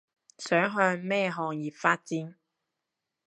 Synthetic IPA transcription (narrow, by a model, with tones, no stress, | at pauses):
sœː˨˥ŋɦœː˧ŋmɛː˥ɦɔː˨ŋjiː˨˩p̚faː˧t̚t͡siː˨˥n